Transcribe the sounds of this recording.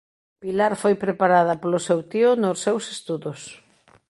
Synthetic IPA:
pilaɾfojpɾepaɾað̞ɐpolʊsewt̪iʊnosewsest̪uðʊs

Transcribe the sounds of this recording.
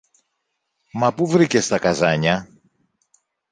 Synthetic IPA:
mɐpuvɾicest̪ɐkɐzɐɲɐ

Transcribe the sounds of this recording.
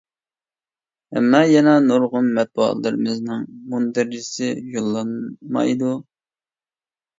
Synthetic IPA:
hɛ̰mːɑjɛnɑnuɾʁʊnmɛt̪̚buɑ̰t̪lˠɨɾɨmɪznɨŋmund̪ɪɾisɪjolˠːɑnmɑ̰jd̪u

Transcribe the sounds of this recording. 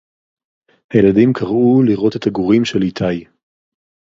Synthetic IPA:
hajeladimkʰaʁuliʁo̞te̞taɡuʁimʃe̞litʰaj

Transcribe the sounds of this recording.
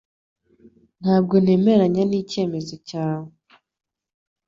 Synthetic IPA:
n̥haːb̚ɡo̞ne̞ːme̞ɾaɲaniːce̞ːme̞zo̞caːwe

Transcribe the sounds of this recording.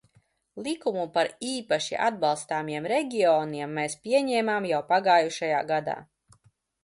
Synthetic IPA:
lˠikumupaɾiːpaʃḭʔa̰d̪̚balˠst̪aːmiɛmɾɛɡʲiɔːniɛmːɛːspʲiɛɲɛːmaːmjawpaɡaːjuʃajaːɡad̪a̰ː

